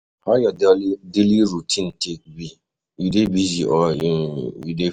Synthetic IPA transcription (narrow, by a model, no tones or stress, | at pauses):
hajadideliɾutʰĩntʰek̚bi | jidebiziʔɔjijide